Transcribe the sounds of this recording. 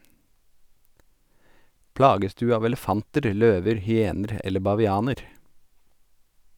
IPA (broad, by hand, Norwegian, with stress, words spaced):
ˈplɑːɡəs ˈdʉː ˈɑːʋ ɛləˈfɑntəɾ ˈløːʋəɾ hʏˈeːnəɾ ˈɛlə bɑʋɪˈɑːnəɾ